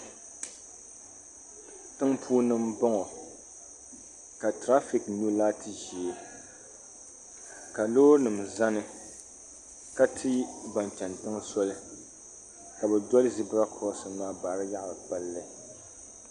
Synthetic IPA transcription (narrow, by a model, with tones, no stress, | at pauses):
tɨ˦ŋpʰuː˦nɨ˦mbɔ˦ŋɔ˨ | ka˨tɾa˦fi˨kɲu˦laː˦tʰɨ˨ʒi˨e˨ | ka˨loː˦nɨ˨m˨za˦nɨ˦ | ka˦tʰɨ˦ba˨n˨t͡ʃa˨ntɨ˦ŋ˦sɔ˦lɨ˦ | ka˨bɛ˨dɔ˦lɨ˦zi˦bɾa˦kʰɔ˦sɨ˨maː˦baː˨ɾɨ˦ja˦ʔbɨ˨pa˦lːɨ˦˨